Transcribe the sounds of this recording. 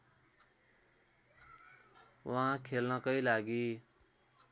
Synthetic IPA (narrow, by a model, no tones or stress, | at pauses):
wʌɦãkʰelnʌkʌilaɡi